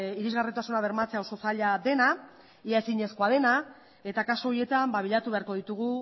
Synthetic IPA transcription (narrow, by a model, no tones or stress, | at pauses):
iɾizɣarit̪asunaβ̞e̞ɾmat͡se̞aoso̞saʎad̪e̞na | iae̞siɲe̞sko̞að̞e̞na | e̞t̪akasoo̞ɾie̞t̪ambaβiʎat̪uβe̞aɾko̞ð̞it̪uɣ̞u